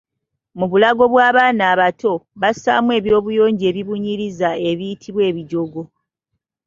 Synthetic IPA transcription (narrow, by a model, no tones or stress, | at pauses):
muβulaɡo̞βwaːβaːnaːβatʰo̞βasa̰ːmwe̞ːβjo̞ːβujo̞ːɲɟe̞ːβiβuɲiɾizae̞βijitʰiβwe̞ːβiɟo̞ɡo̞